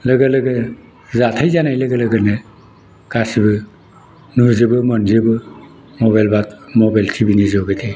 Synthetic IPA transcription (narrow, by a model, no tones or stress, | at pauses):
lɯɡɯlɯɡɯ | zatʰajzanajlɯɡələɡɯnɯ | ɡ̥asibɯ | nuzɯbɯmɔnzɯbɯ | mɔbajlbat̚mɔbajltʰibinizɯwɡɯtʰe